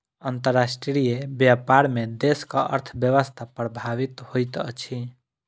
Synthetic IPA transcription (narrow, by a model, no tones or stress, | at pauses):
ənt̪əɾasʈɾijebjapaɾmẽd̪eːskaʔə̰ɾt̪ʰbjəʋəst̪ʰapɾəbʱaʋɪt̪hojt̪ə̰t͡ʃʰi